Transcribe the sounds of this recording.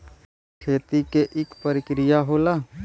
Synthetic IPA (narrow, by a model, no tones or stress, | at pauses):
kʰeːt̪ikeʔɪkpəɾɪkɾɪjaɦoːlaː